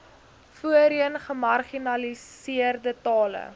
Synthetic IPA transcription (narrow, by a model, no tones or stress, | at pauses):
fuəɾiənχəmɐrχinɐlisiərdətɑːlə̰